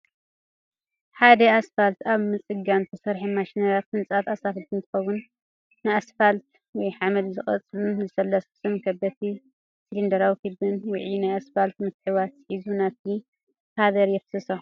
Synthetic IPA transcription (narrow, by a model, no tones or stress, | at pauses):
ħad̪ɐasfalt̪aβmɨt͡sʼɨɡant̪ʰɐsɐɾħimaʃinɐlat̪̚mɨnt͡sʼat̪asafɨt̪ʰɨnt̪ʰɨ̥xɐwunː | ɨasfalt̪̚ | wɔjħamɐlzɨxʼɐ̰t͡sʼɨluzɨsɐlːɐssɨmkʰɐbɐt̪ʰi | silind̪ɐɾawikibɨnwʊʕinajasfalt̪mɨt̪ħɨβat̪ħizunat̪̚ʰi | hʰad̪ɐɾjɛfsɨso